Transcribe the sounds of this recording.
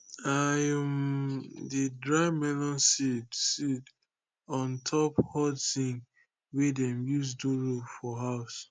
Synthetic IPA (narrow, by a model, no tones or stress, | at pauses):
ajɛm | didɹaɪmɛlɔ̃nsidsit | ɔ̃ntʰɔphɔdsĩŋ | wedɛmjus̬duɹofɔɦaʊs